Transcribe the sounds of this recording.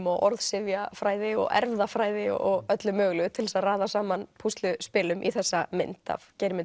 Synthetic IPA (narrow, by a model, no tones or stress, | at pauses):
mɔɣɔɾðsɪvjafɾaːjðɪɔ̰ɣɛ̰ɾvðafɾaːjðɪɔɔɣœt̪lʏmœːɣlʏʏt̪ʰɪlsaðraːðasaːmanpʰust̪lʏspɪːlʏmʔiθɛsːamɪ̰nt̪a̰vcejɾmɪn